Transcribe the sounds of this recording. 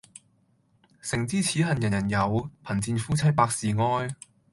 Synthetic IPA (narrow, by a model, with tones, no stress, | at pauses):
sɪ˨˩ŋt͡siː˥t͡sʰiː˨˥ɦɐ˨njɐ˨˩njɐ˨˩njɐ˨˧wpʰɐ˨˩nt͡siː˧nfuː˥t͡sʰɐ˥jpaː˧k̚siː˨ŋɔː˥j